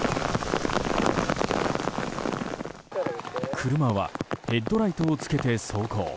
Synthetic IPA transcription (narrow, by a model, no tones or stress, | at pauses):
kʰɯ̟ɾɯ̟maβa̰e̞d̪ːo̞ɾait̪o̞ːt͡sɨ̥ke̞t̪e̞so̞ːko̰ː